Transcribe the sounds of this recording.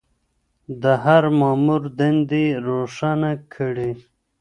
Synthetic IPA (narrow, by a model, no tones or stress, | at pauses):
d̪əɦaɾmɑːmuɾd̪end̪iɾoʂanakʰəɽi